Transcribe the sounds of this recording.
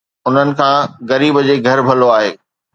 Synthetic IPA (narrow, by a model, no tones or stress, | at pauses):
ʊn̤ənɪ̆kʰãːɣɐɾiːbd͡ʑeɡʱɐɾbʱɐloaːɦeː